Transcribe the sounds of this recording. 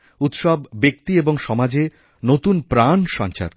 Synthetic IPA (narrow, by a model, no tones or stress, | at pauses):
ut̪ʃɔbbek̚t̪ieboŋʃɔmad͡ʑe | not̪unpɾanʃɔ̰nt͡ɕa̰ɾ